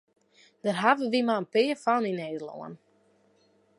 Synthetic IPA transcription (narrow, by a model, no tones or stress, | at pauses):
d̥ərɦavəʋimaənpɪːəfanineːdəlˠo̰ə̰n